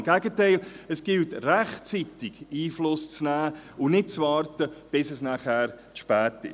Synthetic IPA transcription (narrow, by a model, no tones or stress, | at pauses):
mɡ̥æɡətæɪləsɡ̥ɪltræχt͡sitɪɡiːflʊst͡snæːʊnɪt̚t͡sʋɑːrtəb̥ɪsəsnaχæːɾ | ʃpæːtɪ̰